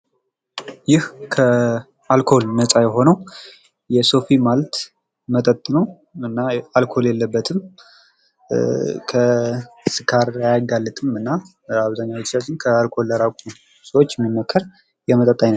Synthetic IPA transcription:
jɪhkʰə | alkʰo̞lnəsʼajɛɦo̞nəw | jɛso̞fimalt̪ | mət̪ʼət̪ʼːɨnəw | ɨnːaalkʰo̞ljɛlːəbːət̪ʰɨm | kʰəsɨkʰaɾajaɡalːɨt̪ʼɨmɨnːa | aβzaɲːawt̪ːsat͡ʃɪnkʰəalkʰo̞lːəɾakʷʰʼu | səwot͡ʃːjɛmːimːəkʰːəɾ | jɛmət̪ʼət̪ʼːajnə

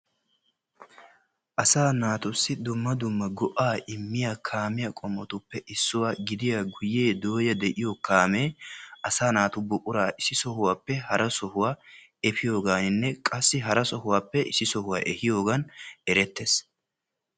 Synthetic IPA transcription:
ʔɐsaːnaːt̪ʊsːɪd̪ʊmːɐd̪ʊmːɐɡɔʔaːʔɪmːɪjaːkʰaːmɪjɐkʼɔmːɔt̪ʊpːɛʔɪsːʊwaːɡɪd̪ɪjaːɡʊjːe̞ːd̪o̞ːjɐd̪ɛʔɪjokaːme̞ːʔɐsaːnaːt̪ʊbʊʔʼʊɾaːʔɪsɪsɔhʊwaːpːɛhɐɾɐsɔhʊwaː | ɛfɪjo̞ːɡaːnɪnːɛkʼɐsːɪɦɐɾɐsɔhʊwaːpːɛʔɪsɪsɔhʊwaːʔɛhɪjo̞ːɡɐnɛɾɛt̪ːes

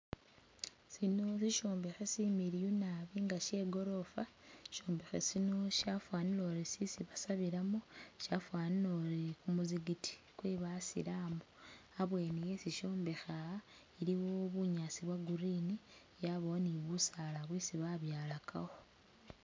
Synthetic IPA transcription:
sino̞siʃo̞ːmbexesimiɾijunaβiːŋɡaʃe̞ɡo̞ɾo̞faʃo̞ːmbexesino̞ʃafwaːniloɾesisiβasaβiɾamoʃafwaːniloɾekumuziɡitʰi̥ | kweːβasḭɾaːmboaβwe̞ːnijesiʃo̞ːmbe̞xa | iɾiwoβuɲaːsiβwaɡuɾiːni | jaβoniβusalaβwisiβaβjaːlakʰa̰ɣo

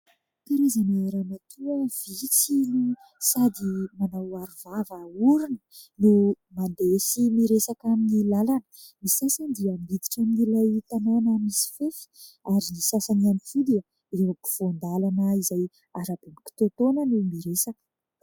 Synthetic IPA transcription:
p̪iɾezanaeɾanat̪ʰuəvit͡sini | sad̪imanawaɾuvavauɾinə̥ne | mand̪esimiɾesakaminilalanə̥ | misasand̪iəmid̪i̥ʈ͡ʂaminilajt̪anonamisi̥fefi̥aɾisasaniamifud̪iə | ɾewabu̥fond̪alanəizaj | aɾab̥imiki̥t̪ot̪onənemiɾesakə̥

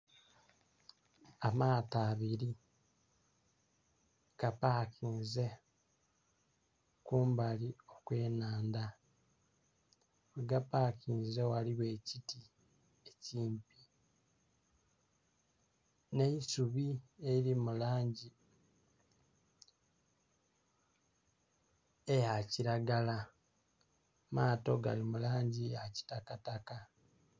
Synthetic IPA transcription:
amaːtaːβiɾi | kapaːkiːnze̞ | kuːmbalio̞kwe̞ːnaːnda | weɡapakiːnze̞waliβwe̞ːciti | eciːmpi | neisuβieiɾimulaːɲɟi | ejaciɾaɡala | maːto̞ɡa̰limulaːɲɟiaci̥takataka

